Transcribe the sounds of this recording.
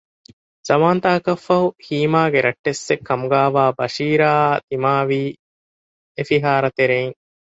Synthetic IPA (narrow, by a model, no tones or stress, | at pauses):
z̥ɐmaːnt̪aːɐkɐfːɐɦuhiːmaːɡeɾʔɐʈːesːekʰːɐmuɡaːʋaːbɐʃiːɾaːt̪imaːʋiː | efiɦaːɾɐt̪eɾeiŋ